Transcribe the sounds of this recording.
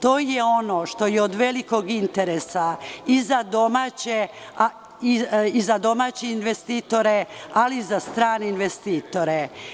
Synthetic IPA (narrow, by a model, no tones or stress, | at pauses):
t̪o̞ːjeo̞no̞ʃt̪o̞jeod̪ʋe̞liko̞ɡint̪eɾesaizad̪o̞maːt͡ɕe | a | iizad̪o̞maːt͡ɕeinʋest̪it̪o̞ɾe̞alizast̪ɾaːneinʋest̪iːt̪o̞ɾe